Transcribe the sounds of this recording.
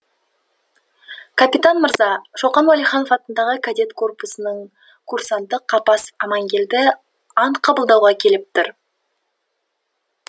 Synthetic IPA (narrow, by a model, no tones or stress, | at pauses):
kʰapʲit̪anməɾzɑʃoqɑnwalijχɑnofɑt̪ənd̪ɑʁəkʰad̪e̞t̪kʰo̞rposənəɴ | kʰursɑnd̪əqʰːɑpɑsɑmɑŋɡʲe̞ld̪ɪ | ɑɴqʰɑbəlˠd̪ɑwʁɑkʲʰe̞lɪp̚t̪ɪɾ